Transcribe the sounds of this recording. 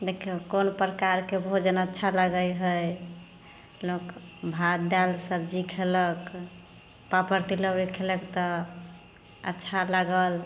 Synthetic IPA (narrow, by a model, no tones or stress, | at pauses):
d̪ekʰekonpɾəkaɾkebʱod͡ʒənətːʃʰalaɡəjɦəj | lokbʱad̪d̪alsəb̚d͡ʒikʰelək | papəɾt̪iləwɾikʰeləkt̪ɔ | ə̰tːʃʰalaɡəl